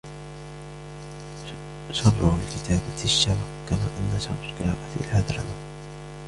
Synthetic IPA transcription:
ʃɑbɾʊlkɪt̪ʰaːbaɪʃːam | kama̰ːʔanːaʃamɾkaːʔafḭlhad̪ɾˤɑ̰ma

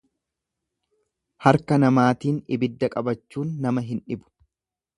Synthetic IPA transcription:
hɐɾkɐnɐmaːt̪iːnɪbɪd̪ːɐkʼɐbɐt͡ʃːuːnːɐmɐɦɪnᶑɪbʊ̥

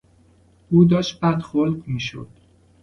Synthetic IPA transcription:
ʔuːd̪ɒːʃt̪̚bæd̪xolɡmiːʃo̰d̪̥

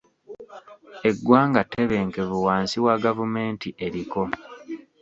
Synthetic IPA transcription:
e̞ɡːwaːŋɡate̞βe̞ːŋke̞βuwaːnsiwaɡavume̞ːntiʔeɾiko̞

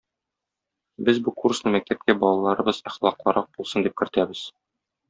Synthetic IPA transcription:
bɘzbukursnɤmæk̚t̪æp̚kæbɒlˠɑlˠɑɾɤ̆bɤz̥iχlˠɑqlˠɤɾʔɑq̚b̥ulˠsɤnd̪ip̚kɘ̆ɾt̪æbɘz̥

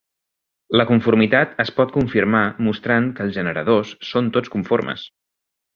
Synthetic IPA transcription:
ləkuɱfuɾmit̪at̪əspɔt̪̚kuɱfiɾmamust̪ɾaŋkəːlˠzʒənəɾə̰ðosːont̪ot͡skuɱfoɾmə̰s

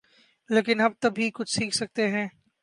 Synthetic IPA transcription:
leːkɪnɐb̚t̪ɐbʱikʊt͡ʃʰsiːkʰsɐk̚t̪eɦɛ̃ː

